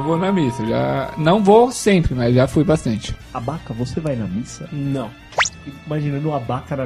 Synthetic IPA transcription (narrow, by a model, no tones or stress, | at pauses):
vonɐmisɐʒa̰nɐ̃w̃vosẽmpɾɪmɐzʒafujbast̪ɐ̃nt͡ʃɪ̥abakɐvosevajnɐmisɐnɐ̃w̃ | iimaʒinɐ̃nd̪ʊabakɐnɐ